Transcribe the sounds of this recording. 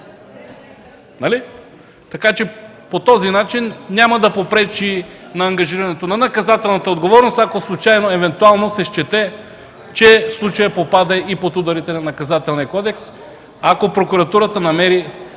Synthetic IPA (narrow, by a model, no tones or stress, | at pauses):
nɐli | t̪ɐkat͡ʃɛ | pot̪ɔzinat͡ʃinːʲamɐd̪ɐpopɾɛt͡ʃinɐːŋɡɐʒiɾɐnɛt̪onɐnɐkɐzat̪ɛlˠnɐt̪əod̪ɡovɔɾnost̪akoslˠut͡ʃajnoɛvɛnt̪ualˠnosɛʃt͡ʃɛt̪ɛ | t͡ʃɛslˠut͡ʃɐjəpopad̪ɐipot̪ud̪ɐɾit̪ɛnɐnɐkɐzat̪ɛlˠniəkɔd̪ɛks | akopɾokuɾɐt̪uɾət̪ənɐmɛɾi